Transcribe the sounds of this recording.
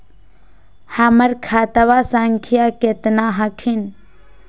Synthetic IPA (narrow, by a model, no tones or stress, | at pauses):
hɐmɐɾkʰaːt̪ɐʋaːsaŋkʰijaːket̪naːɦɐkʰin